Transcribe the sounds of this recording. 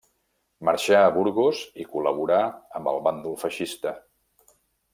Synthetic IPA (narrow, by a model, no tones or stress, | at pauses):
məɾʃaəβuɾɣozikuləβuɾaəmbə̰lˠβand̪ulˠfəʃist̪ə